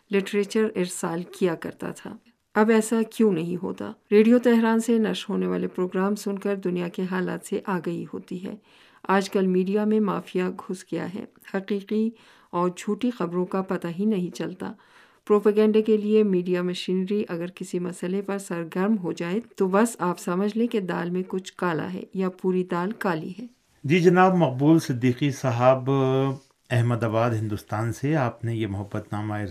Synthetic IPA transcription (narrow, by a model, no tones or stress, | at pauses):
lɪʈɾeːt͡ʃəɾɪɾsaːlkijakɐ̰ɾt̪a̰t̪ʰa̰ː | ɐbɛːsakjũːnɐɦĩɦo̰ːt̪a̰ːɾeːɖijot̪ɛɦɾaːnsenɐʃɦoːneʋaːlepɾoːɡɾaːmsʊnkɐɾd̪ʊnijakeɦaːla̰ːt̪seʔaːɡɐiɦo̰ːt̪iɦɛ̰ː | aːd͡ʒkɐlmiːɖijamẽma̰ːfijaɡʱʊsɡɐja̰ɦɛ̰ː | hɐqiːqi | ɔːɾd͡ʒʱuːʈixɐbɾõkapɐt̪aɦinɐɦĩt͡ʃɐlt̪a̰ː | pɾoːpəɡɛ̃ːɳɖekeliemiːɖijamɐʃiːnɾiʔɐɡəɾkɪsimɐsəlepɐɾsɐɾɡɐɾmɦod͡ʒaːet̪obɐsaːpsɐməd͡ʒʱlẽked̪a̰ːlmẽkʊt͡ʃʰkaːla̰ɦɛ̰ːjapuːɾid̪aːlkaːlḭɦɛː | d͡ʒiːd͡ʒɐnaːbmɐq̚buːlsɪd̪ːiːqisɐɦaːb | ɛɦməd̪aːbaːd̪ɦɪ̃nd̪ʊst̪aːnseaːpnejemʊɦɐbːət̪naːmaːɪɾ